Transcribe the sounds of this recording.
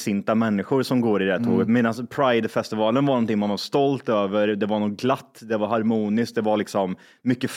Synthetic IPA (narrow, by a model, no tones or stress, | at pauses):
sɪnt̪amɛnːɪɧʊɾsɔmɡoːɾɪd̪ɛæːʈtʰo̰ːɡət̪meːd̪anspʰɾaɪd̪fɛst̪ɪvɑːlənvaɾnɔnt̪ɪŋːmanvaɾst̪ɔlt̪øːvəɾd̪ɛvaɳuːɡːɡlat̪ːd̪ɛvaɾɦaɾmuːnɪsk̚d̪ɛvaɭɪksɔmː | ʏkːəf